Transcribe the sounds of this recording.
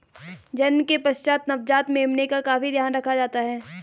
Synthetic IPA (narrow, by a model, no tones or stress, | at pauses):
d͡ʒɐnmkepɐʃt͡ʃaːt̪nɐfd͡ʒaːt̪meːmnekakaːfid̪jaːnɾɐkʰad͡ʒaːt̪aɦɛː